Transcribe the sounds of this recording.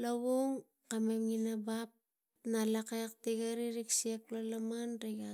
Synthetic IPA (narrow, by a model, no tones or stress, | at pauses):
laβuŋ | kamemŋinabap̚ | nalakak̚teɡaɾiɾiksiek̚lalamanɾeɡa